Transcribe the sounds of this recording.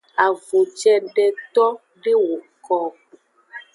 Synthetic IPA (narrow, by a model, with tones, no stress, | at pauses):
a˨vo˨t͡ʃɛ˦ɖɛ˨t̪ɔ˦ | ɖe˦wo˨kɔ˦ku˨